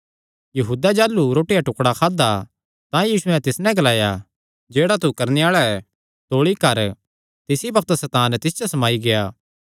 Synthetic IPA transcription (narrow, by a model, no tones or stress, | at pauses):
jɐɦuːd̪ad͡ʒaːlːuɾoːʈijaʈʊkɽakʰaːd̪a | t̪ãjiːsʊɛ̃t̪ɪsnɛ̃ɡɐlaːja | d͡ʒeːɽat̪̬ukɐɾneaːɭaɛ | t̪oːɭikɐɾ | t̪ɪsibɐk̚t̪sɛːt̪aːnɛt̪ɪsd͡ʒosɐmaːiɡejaː